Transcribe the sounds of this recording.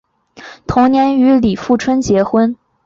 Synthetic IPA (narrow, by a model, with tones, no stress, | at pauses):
t̪ʰʊ˧˥ŋnjɛ˧˥ny˧˥li˨˩fu˥˩ʈ͡ʂʰwə˥nt͡ɕjɛ˧˥xwə˥n